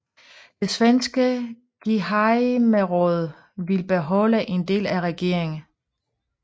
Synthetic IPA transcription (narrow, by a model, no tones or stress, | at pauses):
d̥e̝sʋensɡ̥ə | ɡ̥iɦɑɪmeʁɔð̞ˠ | ʋilb̥e̝ɦɒ̽ləʔe̝nd̥e̝̰ːlæʁɛɡ̥e̝̰ɐ̰e̝ŋn̩